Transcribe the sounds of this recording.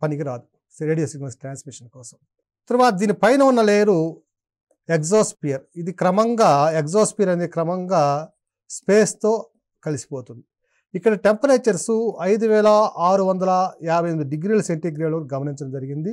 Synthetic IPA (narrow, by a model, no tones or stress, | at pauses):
pɐnikiɾaːd̪u | ɾeːɖijoːsiɡmɐsʈɾaːnsmiʂɐnkɔːsɐm | t̪ɐɾɐʋaːt̪ɐd̪iːnipɐjnɐunːɐleːɾu | ekoːspijɐɾid̪ikɾɐmɐŋɡaːekzaːspijɐɾɐnd̪ekɾɐmɐŋɡaː | spe̞ːst̪o̞ː | kɐlisi̥po̞ːt̪und̪i | ikːɐɽɐʈempɐɾeːt͡ʃɐɾsuɐjd̪uʋɛːlɐaːɾuʋɐnd̪ɐlɐjaːbʱɐjɐmd̪uɖiɡɾiːlɐseɳʈeɡɾiːloːnɡɐmɐniɲt͡ʃɐɐmd͡ʒɐɾiɡind̪i